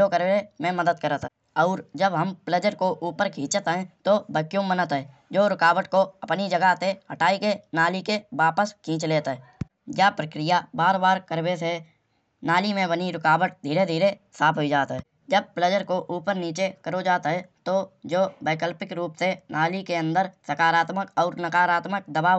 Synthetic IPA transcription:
okəɾwemẽməd̪əd̪̚kəɾət̪ | ɔːɾd͡ʒəbɦəmpləd͡ʒəɾkoʔuːpəɾkʰĩːt͡ʃət̪ɦɛ̃t̪obəkjomənət̪ɦɛːd͡ʒoːɾɪkaːʋəʈkoəpnid͡ʒəɡat̪eɦəʈaːikenaːlikeʋaːpəskʰĩːt͡ʃleːt̪ɦɛː | jaːpɾəkɾijabaːɾbaːɾkəɾbese | naːlimẽbəniɾɪkaːwəʈ̚d̪ʱiːɾed̪ʱiːɾesaːpʰɦoid͡ʒaːt̪ɦɛː | d͡ʒəb̚pləd͡ʒəɾkoʔuːpəɾniːt͡ʃekəɾod͡ʒaːt̪ɦɛt̪od͡ʒoːbeːkəlpɪkɾuːpsenʔaːlikeə̃nd̪əɾsəkaːɾaːt̪məkɔːɾnəkaːɾaːt̪mək̚d̪əbaː

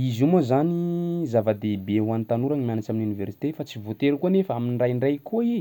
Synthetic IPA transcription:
izumozanizavad̪ebewant̪anuɾaŋmianat͡ʃaminunivɛrsi̥t̪efat͡sivot̪eɾukuanefaaminrajɳrajkʰoi

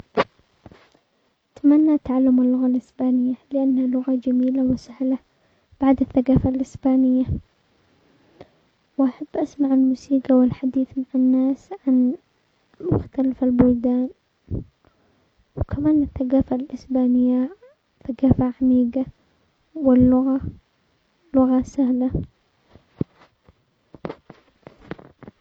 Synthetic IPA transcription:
ʔʔat̪manːat̪ːaʕalːʊmɪlːʊɣalʔɪsbaːnɪjːalɪʔanːhalʊɣad͡ʒamiːlawɪsɪhla | b̥aʕd̪ɪθːaɡaːfalʔɪsbaːnɪjːa | wʔaħabːʔasmaʕɪlmuːsiːɡawɪlħad̪iːθmaʕanːaːsʕan | mʊ̰xt̪alfalbʊld̪aːn | wkʰamaːnɪθːaɡaːfalʔɪsbaːnɪjːa | θaɡaːfaʕamiːɡa | wɪlːʊɣa | lʊɣasahla

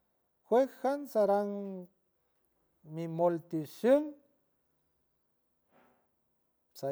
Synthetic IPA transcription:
xwekxansaɾaŋ | mimolt̪iʃəŋ | sa

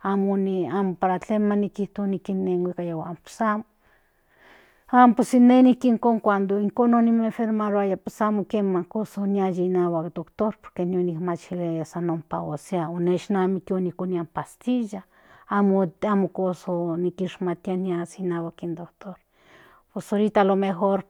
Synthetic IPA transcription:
amoniamopaɾat͡ɬemanikiht̪oanikinːeŋwʷikajawampe̥samo | amposinenikiŋkoŋkʷand̪oiŋkononimefeɾmaɾoajapesamokemakosoniajinawakd̪okt̪oɾpo̥ɾkenionikmat͡ʃilejasanompa̰woseaoneʃnamikionikoniampast̪iʒa | amoamokosonikiʃmat̪ianiasinawakind̪ok̚t̪oɾ | pesoɾit̪alomeɦoɾ

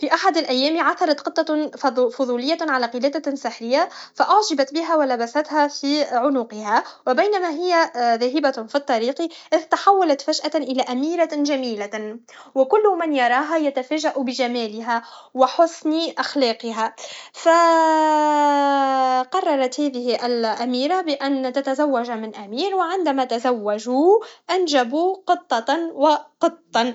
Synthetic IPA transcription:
fiːʔaħad̪alʔæjːæːmʕaθɑɾˤɑt̪qɨt̪ˤːɑfʊðˤuːlɪjːaʕalæːqɨlæːd̪asɪħɾɪjːafaʔʊʕʒɪbat̪bɪɦæwalabasat̪hæfiʕʊnʊqɪhawɪbajnamæɦɪjːaðæːɦɪbafit̪ˤːɑɾiːqiʔɪðt̪aħawːalat̪faʃʔaʔɪlæːʔamiːɾaʒamiːla | wɪkʊlːmanjɑɾˤɑːɦajat̪afæːʒaʔubɪʒamæːlɪɦawɪħʊsniʔaxlɑːqɪɦafa | qɑrˤːɑɾˤɑt̪hæːðɪhɪʔalʔamiːɾabɪʔant̪at̪azawːaʒamɪnʔamiːɾwɪʕɪnd̪amat̪azawːaʒuʔanʒabuqɨt̪ˤːɑwɑqɨt̪ˤːɑn

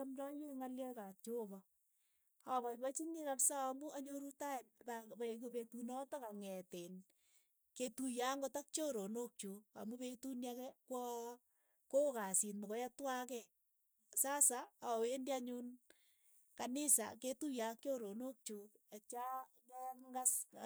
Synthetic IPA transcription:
amɾɔjiŋaljɛkat͡ʃobɔ | aβɔbat͡ʃinikapsaːmuaɲoɾutaenpapakupetunɔtɔkaŋɛten | ketujaŋɡotak̚t͡ʃoɾonok̚t͡ʃoa̰mupetunjakɛkwɔ | kokasitmɔkɔjatwakɛ | sasaawendaɲun | kanɪsa̰ketujak̚t͡ʃoɾonok̚t͡ʃoat͡ʃa | kɛŋɡas

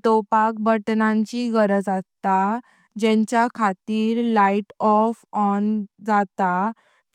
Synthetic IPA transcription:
t̪opak̚bəʈnãɲt͡ɕiɡəɾəd͡zat̪a | d͡ʑɛ̃ɲt͡ɕjakʰat̪iːɾlaiʈɔfɔnd͡zat̪a

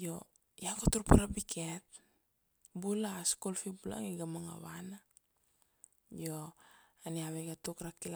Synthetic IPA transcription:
jo | jakotuɾpaɾapikʰet̚ | bulaskolfibula̰ŋiɡamaŋa̰βana | joaniaβeɡatukɾakila

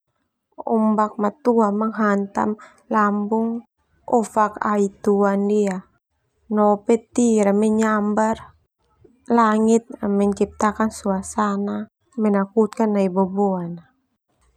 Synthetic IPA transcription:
ɔ̰mbak̚mat̪uamaŋɦant̪a̰m | lambuŋ | ɔfaka̰it̪uandia | nɔpɛt̪iɾamɛɲambar | laŋit̪̚mɛɲt͡ʃip̚t̪akansuasana | mɛnakut̪̚kanːaibɔbɔana

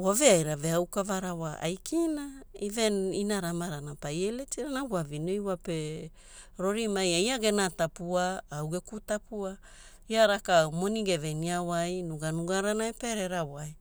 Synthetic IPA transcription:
waveajɾaveawkavaɾawaʔa̰jkʰinaiveninaɾamaɾanapajeletiɾanawwavinojwape | ɾo̞ɾimajaiaɡe̞natapuaːwɡe̞kutapua | iaɾakamo̞niɡe̞ve̞niawajnuɡanuɡaɾanaepeɾeɾawaj

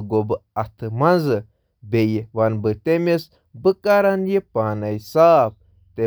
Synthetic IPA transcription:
ɡobɨɐt̪ʰɨmɐnzɨ | bejiʋɐnbɨt̪emes | bɨkaɾɐnjipaːnɐjsaːp̚ | t̪e

